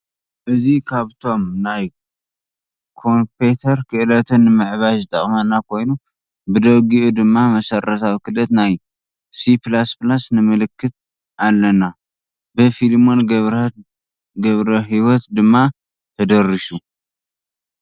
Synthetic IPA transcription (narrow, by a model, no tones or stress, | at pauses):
ʔɨzikʰaβt̪ʰo̞mnaj | kʰo̞mpʰet̪ʰɐɾkʰɨʔɨlɐt̪ʰɨnːɨmɨʕβaʒɨt̪ʼɐ̰χʼmɐnakʰo̞jnu | bɨd̪ɐβɡiʔud̪ɨmːamɐsɐrːɐt̪ʰawikʰɨlɐt̪naj | siplasplasnɨmɨlɨkːɨt̪̚ | alːɐna | bɨfilmo̞nβ | ɡɐβɾɐɦiwɔt̪d̪ɨmːa | t̪ʰɐd̪ɐrːisu